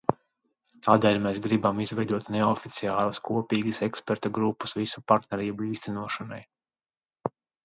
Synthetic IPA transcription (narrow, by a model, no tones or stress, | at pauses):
t̪aːd̪ɛːlʲmɛsɡɾibamizvɛjd̪uɔt̪neɔfit̪siaːlˠɐskuɔpiːɡəsɛkspɛɾt̪aɡɾupːu̥svisu̥paɾt̪nɛɾiːbuiːst̪ænuɔʃanaj